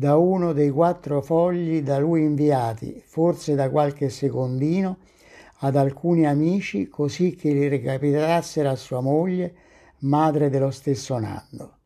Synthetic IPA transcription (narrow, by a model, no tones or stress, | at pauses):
d̪auːnʊd̪ejkwat̪ːɾofɔʎːid̪aluiːɱviaːt̪ḭfort̪sed̪akwalk̟esːekond̪iːno | ad̪alkuːniamiːt͡ʃikosik̟ːɪlːirɪkapit̪asːeɾoasːuːamoʎːe | maːd̪ɾed̪elost̪esːona̰ndo